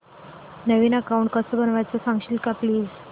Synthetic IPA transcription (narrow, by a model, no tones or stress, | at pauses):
nəʋiːnakauɳʈ̚kəsəbənʋajt͡səsãŋɡɕiːlkapliːd͡z